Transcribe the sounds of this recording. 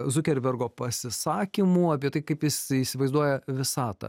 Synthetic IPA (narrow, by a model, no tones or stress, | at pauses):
zʊkʲɛɾʲʋʲɛɾɡoːpɐsʲɪsɑːkʲimuɐpʲiɛt̪ɐɪkɐɪpjɪsiːsʲɪʋɐɪzd̪uɔjɛʋʲɪsɑːt̪ɐ̰